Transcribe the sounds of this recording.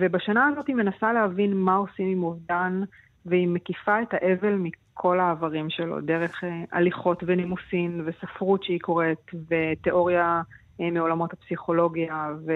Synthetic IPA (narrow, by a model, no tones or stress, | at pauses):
vebaʃanaːzo̞time̞nasaleɦavinmao̞simimuvdan | veimekifaetaʔe̞ve̞lmikʰo̞laːvaʁimʃe̞lo̞̰de̞ʁe̞χeʔa̰liχo̞tvenimusinvesafʁutʃeiko̞ʁetve̞te̞ʔo̞ʁja | meo̞lamo̞thapsiχo̞lo̞ɡjave